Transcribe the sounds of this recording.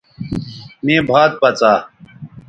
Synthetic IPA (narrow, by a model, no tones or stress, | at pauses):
mẽːbʱaːd̪̚pɐt͡saː